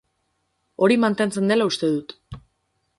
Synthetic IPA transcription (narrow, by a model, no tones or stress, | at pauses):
o̞ɾimant̪e̞nt͡se̞nd̪e̞laust̪e̞ðut̪